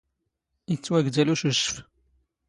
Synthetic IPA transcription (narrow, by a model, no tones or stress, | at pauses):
it͡sːwæɡd̪æluʃəʃəf